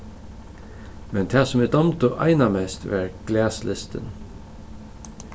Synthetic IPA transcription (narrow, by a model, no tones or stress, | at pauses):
mɛnt̪ʰæːsɔmɪd̪ɔmt̪ʊʔɑ̰ɪnamɛst̪ʋæːɹɡ̥læːslʔɪst̪ə̰n